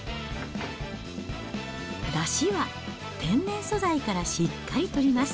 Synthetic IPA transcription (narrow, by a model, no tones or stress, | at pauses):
d̪aɕiβa | t̪ʰẽ̞nnẽ̞ɰ̃so̞zaikaɾaɕikːaɾʲit̪o̞ɾʲimasɨ̥